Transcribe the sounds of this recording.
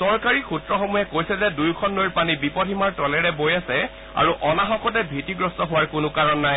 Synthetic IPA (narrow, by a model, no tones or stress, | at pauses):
sɔɹkaɹixutɹɔxɔmujɛkojsɛzɛdujkʰɔnːojɹpanibipɔtʰimaɹtɔlɛɹɛbojasɛ | a̰ɹuʔɔnaxɔkɔtɛbʱitiɡɹɔstɔɦʊwaɹkʊnʊkaɹɔnːaj